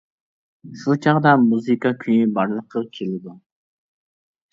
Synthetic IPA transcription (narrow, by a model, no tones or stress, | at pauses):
ʃut͡ʃʰɑʁd̪ɑmuzɨkɑkʲʰynybɑɾlˠəqʰəkʲʰelɪd̪u